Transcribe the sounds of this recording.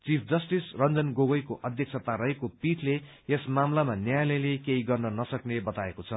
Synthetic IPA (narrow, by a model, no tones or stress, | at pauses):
t͡sipʰd͡zʌsʈisrʌnd͡zʌnɡoɡʌjkoʔʌd̪ʱjʌk̚t͡sʰʌt̪aɾʌɦekopiʈʰle | esmamlamanjajlʌjlekeɦiɡʌrnʌnʌsʌknebʌt̪aekot͡sʰʌ